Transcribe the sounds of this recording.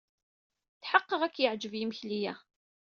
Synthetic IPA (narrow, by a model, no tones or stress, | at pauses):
θħɑqːəʁækːjəʕd͡ʒəvjimçlijæ